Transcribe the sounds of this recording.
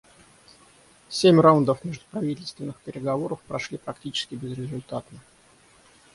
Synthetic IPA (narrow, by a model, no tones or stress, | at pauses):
sʲemʲraʊnd̪əfmʲeʐd̪ʊpɾɐvʲitʲɪlʲst̪vʲɪnːɨxpʲɪɾʲɪɡɐvo̞ɾəfpɾɐʂlʲipɾɐktʲit͡ɕɪ̥skʲɪbʲɪzɾʲɪzʊlʲt̪at̪nə